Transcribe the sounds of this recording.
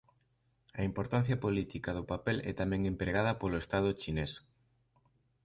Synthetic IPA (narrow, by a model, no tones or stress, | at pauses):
ɐimpoɾt̪ãn̟θjapolit̪ikaðʊpapɛlʔɛ̰t̪amɛ̃ŋẽmpɾeɣ̞að̞ɐpolʊest̪að̞ʊt͡ʃines